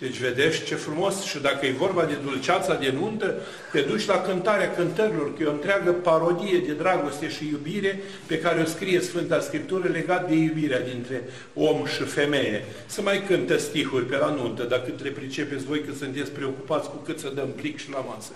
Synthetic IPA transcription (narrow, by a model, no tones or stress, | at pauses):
d̪̥e̞t͡ʃʲve̞d̪e̞ʃt̪ʲt͡ʃe̞fɾumo̞sʃid̪akəjejvo̞rbad̪e̞d̪ult͡ʃat̪sad̪e̞nunt̪ə | t̪e̞d̪ut͡ʃʲlakɨnt̪aɾeakɨnt̪əɾʲilo̞rkujo̞nt̪ɾeaɡəpaɾo̞d̪ije̞d̪e̞d̪ɾaɡo̞st̪e̞ʃijubiɾe̞ | pe̞kaɾeo̞skɾije̞sfɨnt̪askɾip̚t̪uɾəle̞ɡat̪̚d̪e̞jubiɾead̪int̪ɾe̞ | o̞mʃife̞me̞je | səmajkɨnt̪əsʲt̪ihurʲpe̞lanunt̪əd̪akɨt̪le̞pɾit͡ʃe̞pe̞t̪sʲvo̞jkɨt̪sɨnt̪et̪sʲpɾe̞o̞kupat̪sʲkukɨt̪səd̪əmplikʃilamasə